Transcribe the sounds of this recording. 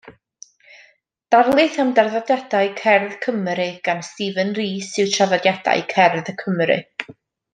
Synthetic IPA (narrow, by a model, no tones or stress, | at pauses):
d̥arlˠɨθamdarðadjadaɨkʰɛrðkʰəmɾɪɡ̥anstivənriːsɪwtʰaðadjad̥a̰jkʰɛrðəkʰəmɾɪ̰